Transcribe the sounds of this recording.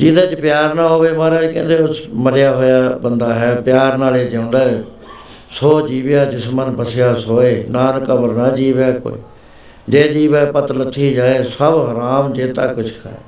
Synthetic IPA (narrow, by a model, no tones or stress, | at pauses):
d͡ʒiːd̪aːt͡ʃpjaːɾnãːɦoːʋeːmaːɾaːd͡ʒkɛ̰̃ːnd̪eːʊsməɾɪjaːɦoːjaːbənd̪aːɦɛːpjaːɾnaːleːd͡ʒãːʊ̃nd̪aː | soːd͡ʒiːʋjaːd͡ʒɪsmənpəsɪjaːsoːeːnãːnkəbəɾnaːd͡ʒiːʋaːko̰ːḭː | d͡ʒeːd͡ʒiːbɛːpət̪lət̪ʰːiːd͡ʒaːeːsəbɦəɾaːmd͡ʒeːt̪a̰ːkʊt͡ʃʰkʰa̰